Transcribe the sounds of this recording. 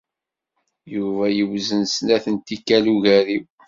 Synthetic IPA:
juvæjəwzənsnæθənt̪ikːæluʝæɾiw

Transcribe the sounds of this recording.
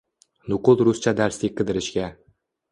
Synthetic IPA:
nʊqʊlˠɾʊst͡ʃʰad̪aɾsiqʰɨd̪ɪɾɪʃɡʲa

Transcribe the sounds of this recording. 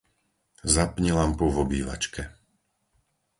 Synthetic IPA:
zapɲilampuvɔbiːʋa̰t͡ʃkɛ

